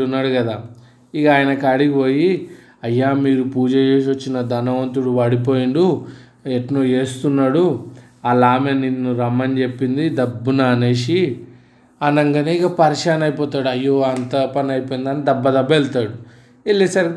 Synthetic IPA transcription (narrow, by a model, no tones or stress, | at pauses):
unːaːɽukɐd̪aː | iɡaːjɐnɐkɐɽiɡiʋo̞ːji | ɐjːaːmiːɾupuːd͡ʒɐjeːʃ̬ʋɐt͡ʃːinɐd̪ʱɐnɐʋɐnt̪uɽuʋɐɽip̬o̞ːjiɳɖu | eʈnoːe̞ːst̪unːaːɽu | ɐlaːmeninːuɾɐmːɐnd͡ʒe̞pːind̪id̪ɐbːunaːneːʃi | ɐnɐŋɡɐneikɐpɐɾiʂaːnɐjpɔːt̪aːɽɐjːoːɐnt̪ɐpɐnɐjipojind̪aːnːid̪ɐbːɐd̪ɐbɐelt̪aːɽu | elːisɐɾ